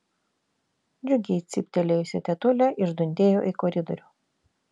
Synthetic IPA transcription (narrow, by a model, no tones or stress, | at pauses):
d͡ʒʲʊɡʲɛt̪sʲɪpʲt̪ʲɛlʲejosʲɛt̪ʲɛt̪ʊlʲɛʔɪʒd̪ʊnʲd̪ʲeːjoːʔɪkɔɾʲɪd̪ɔ̰ɾʲuː